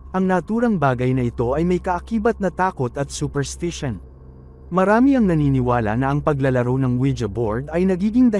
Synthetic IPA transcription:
ʔɐŋnɐʔt̪uːɾɐŋbaːɡɐjnɐɪt̪o̞ʔɐjmɐjkɐʔɐkiːbɐt̪̚nɐt̪aːko̞t̪ɐt̪̚supɛɾst̪ɪʃon | mɐɾaːmiɐŋnɐniːnɪwaːlɐ̰nɐʔɐŋpɐɡlɐlɐɾo̞wnɐŋwɪd͡ʒɐboɹd̪ɐjnɐɡiːɡɪŋd̪ɐ

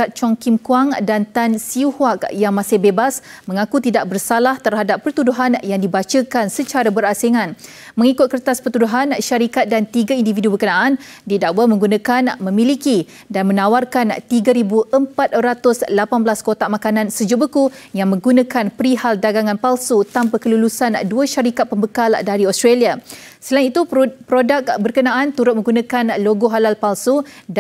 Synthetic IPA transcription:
at̪̚t͡ʃɔŋkimkuaŋdant̪ansihwak̚jaŋmãsɪhbebasmə̃ŋakut̪idaʔ̚bərsalaht̪ərɦadapːərt̪uduɦanjaŋdibat͡ʃəkansət͡ʃaɾabəɾaseŋãn | mə̃ŋikʊt̪̚kərt̪aspərt̪uduɦanʃaɾikat̪̚dant̪iɡaindividubəkənaʔan | didawamə̃ŋɡunãkanmə̃miliki | danmə̃nawarkant̪iɡaɾibuʔəmpat̪̚ɾat̪ʊslapanbəlaskot̪aʔmakanãnsəd͡ʒuʔbəkujaŋmə̃ŋɡunãkanpəɾihaldaɡaŋãnpalsut̪ampakəlulusanduaʃaɾikat̪̚pəmbəkaldaɾiɔst̪ɾalia | səlainit̪upɾodak̚bərkənãʔant̪uɾʊt̪̚mə̃ŋɡunãkanloɡoɦalalpalsud

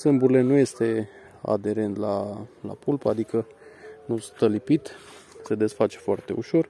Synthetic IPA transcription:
sɨmbuɾile̞nuje̞st̪e̞ | a̰d̪e̞ɾe̞nt̪lala̰pulpəad̪ikə | nust̪əlipit̪se̞d̪e̞sfat͡ʃe̞̥foart̪e̞uʃo̞r

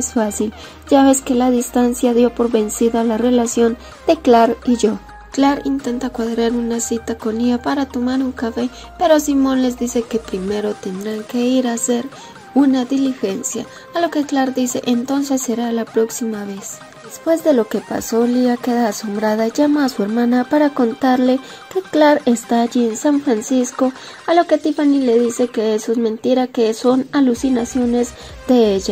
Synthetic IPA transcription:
sfasil | d͡ʒaβe̞ske̞laðist̪ansjaðjo̞po̞ɾβe̞nsiðalarelasjo̞n | d̪̥e̞klaɾiʝo̞ | klaɾint̪e̞nt̪akwaðɾaɾunasit̪ako̞niapaɾat̪o̞maɾuŋkafe̞ | pe̞ɾosimo̞nle̞zd̪ise̞ke̞pɾime̞ɾo̞t̪e̞nd̪ɾaŋke̞iɾase̞ɾ | unaðilixe̞nsja̰ː | lo̞keklaɾd̪isḛʔent̪o̞ns̬esːeɾalapɾoksimaβe̞s | d̪̥espwe̞zðelo̞kepa̰so̞eliakeðaːso̞mbɾaðaiʝamaasueɾmanapaɾako̞nt̪aɾle | keklaɾest̪aːʝiensaɱfɾansisko̞ | alo̞ke̞t̪ifanile̞ðisekeesoezmẽnt̪iɾakesonalusinasjo̞nez | d̪eeʝa

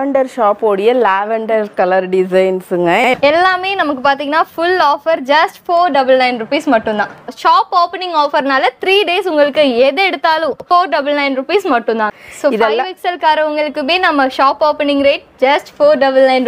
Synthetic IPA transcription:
ɐɳɖɐɾʃaːpoːɽɪjɐlaːʋɐɳɖɐɾkɐlɐɾɖɪsɐɪnsɯŋɡɐɛlːaːmeːnɐmɐkːɯpaːɾt̪iːŋɡɐnːaːfʊlaːfɐɾd͡ʒɐsʈfoːɾɖɐbɐlnɐɪnɾʊpiːsmɐʈːɯ̃nd̪ãːʃaːpoːpɐnɪ̃ŋɡoːfɐɾnaːlɐt̪ɾiːɖeːsʊŋɡɐɭɯkːɯɛðɯɛɽɯt̪ːaːlʊ̃foːɾɖɐbɐlnɐɪnɾʊpiːsmɐʈːʊnd̪ãːsoːɪfðɐɪʋiːksɐlkaːɾɐʊŋɡɐɭɯkːɯmeːnɐmːɐʂaːpoːpɐnɪ̃ŋɡɾeːʈ̚d͡ʒɐsʈfoːɾɖɐbɐlnɐɪn

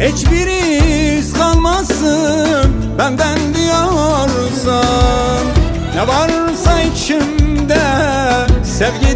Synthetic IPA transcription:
het͡ʃbiɾizkalˠmasɯ | bænd̪ænd̪ijoɾ | sa | nɛvaɾsait͡ʃʰimd̪ɛ | sevɟi

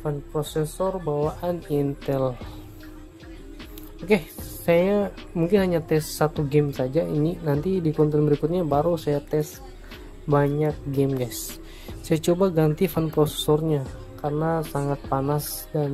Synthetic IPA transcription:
fanpɾosɛsɔrbawaʔanint̪ɛl | okesaja | muŋkɪnhaɲat̪ɛsːat̪uɡɛmsad͡ʒaininant̪idikɔnt̪ɛnbəɾikʊt̪̚ɲabaɾusajat̪ɛs | baɲak̚ɡɛmɡajsː | ajat͡ʃobaɡant̪ifanpɾosɛ̥sɔrɲa | karənasaŋat̪̚panas | dan

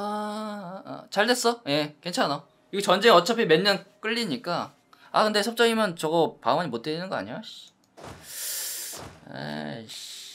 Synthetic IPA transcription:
a̰ | t͡ɕaɭdwe̞s͈ʌje̞ke̞nt͡ɕʰanʌ | iɡet͡ɕʌnd͡ʑeʌt͡ɕʰʌpʰime̞nɲʌnk͈ɯʎːiɲik͈a | a̰kɯnde̞sʰʌp̚t͡ɕ͈ʌŋimjʌnt͡ɕʌɡʌpaŋwʌɲimot͈einɯnɡʌa̰ɲijoɕ | a̰ɕ

